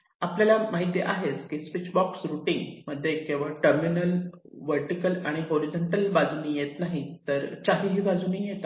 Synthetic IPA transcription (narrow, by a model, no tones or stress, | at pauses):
apljalamaɦit̪jeʔaɦet͡skiːsʋit͡ɕbɔksɾuʈiŋɡməd̪ʱːjekẽʋ̤aʈəɾminəl | ʋəɾʈikəlaɽ̃iɦoɾid͡zoɳʈəlbad͡zunijet̪naɦit̪əɾt͡ɕaɦiɦiːbad͡zunijet̪a